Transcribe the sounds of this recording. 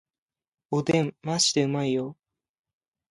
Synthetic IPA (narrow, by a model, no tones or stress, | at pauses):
od̪ẽmːaɕi̥t̪eɯ̟maijo